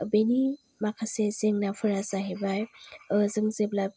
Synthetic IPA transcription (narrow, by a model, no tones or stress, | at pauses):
beni | makʰasezeŋnafʰɯɾasaɦebajɯzɯŋzebla